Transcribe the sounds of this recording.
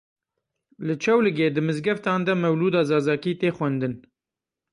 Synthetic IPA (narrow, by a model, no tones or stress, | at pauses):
lɨt͡ʃʰɛwlɨɡeːd̪ɨmɨzɡɛft̪ɑːnd̪ɛmɛwluːd̪ɑːzɑːzɑːkiːt̪eːxwɛnd̪ɨn